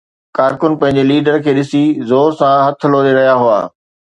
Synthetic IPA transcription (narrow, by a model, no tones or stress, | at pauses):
kaːɾkʊnpɐ̃ɦɪ̃ɲd͡ʑeliːɖəɾkʰeːɗɪsizoːɾsãɦɐt̪ʰə̆loːɾeɾɐɦijaɦʊa̰ː